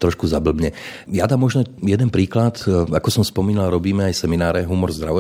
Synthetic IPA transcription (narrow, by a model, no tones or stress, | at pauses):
t̪ɾɔʃkuzabl̩bɲɛ | jad̪aːmːɔʒnɔjɛd̪ɛnpɾiːklat̪akɔsɔmspɔmiːnalɾɔbiːmɛajsɛminaːɾɛɦumɔɾzd̪ɾaʋɔ